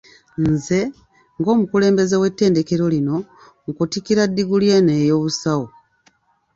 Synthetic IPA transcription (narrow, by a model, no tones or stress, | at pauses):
nze̞ | ŋɡo̞ːmukule̞ːmbe̞zewe̞tːe̞ːnde̞ke̞ɾo̞lino̞ | ŋkutikiɾadːiɡuljeneːjo̞ːβusawo